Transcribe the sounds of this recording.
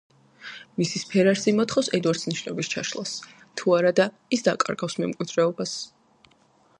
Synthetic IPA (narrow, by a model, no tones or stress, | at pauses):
misispʰɛɾaɾsimɔt̪ʰχɔfsɛd̪waɾt̪sniʃnɔbist͡ʃʰa̰ʃlˠas | t̪ʰuaɾad̪a | isd̪a̰kʼa̰ɾɡafsmɛmkʼwid̪ɾɛɔbas